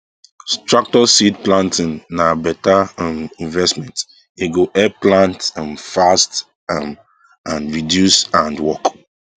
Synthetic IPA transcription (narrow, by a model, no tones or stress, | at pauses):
stɹak̚tɔsidplãntʰĩnːabɛtaamĩnvɛstmɛ̃nt | eɡoʔɛplãntãmfast | am | ãnɹidjusãndwɔk